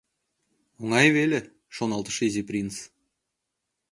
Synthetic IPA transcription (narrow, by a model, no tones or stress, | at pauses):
oŋɑjβelʲe | ʃonɑlˠt̪ə̥̆ʃizeprʲint͡s